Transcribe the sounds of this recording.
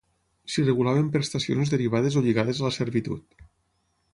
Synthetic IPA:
sireɣulaβempɾest̪asio̰nzðeɾiβ̞aðezoʎiɣaðezaləseɾβit̪ṵt̪

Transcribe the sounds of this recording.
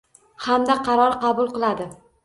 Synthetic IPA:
hamd̪aqʰɑɾɒɾqɑbʊlˠqɨlˠad̪ɪ

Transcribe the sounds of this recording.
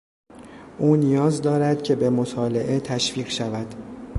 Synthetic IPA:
ʔuːnijɒːzd̪ɒːɾæd̪cʰe̞be̞mot̪ʰɒːle̞ʔe̞t̪ʰæʃviːɢʃævæd̪̥

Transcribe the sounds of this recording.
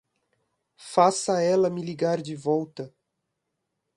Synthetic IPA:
fasɐɛlɐmiliɡaɾd͡ʒɪvɔwt̪ɐ

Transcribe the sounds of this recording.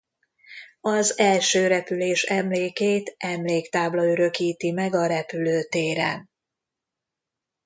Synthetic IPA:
ɒzɛlʃøːɾɛpyleːʃɛmleːkeːt̪ɛmleːkt̪aːblɒøɾø̞kiːt̪imɛɡɒɾɛpyløːt̪eːɾɛ̰n

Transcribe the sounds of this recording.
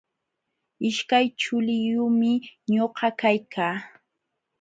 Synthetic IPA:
ɪʃkajt͡ʃʊlɪjʊmɪɲoɢɑkajkʰaː

